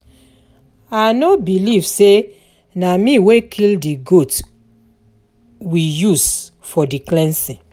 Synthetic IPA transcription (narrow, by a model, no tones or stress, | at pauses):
anobilivse | namĩwekʰildiɡot | wijus | fɔdiklɛ̃nsɛ̃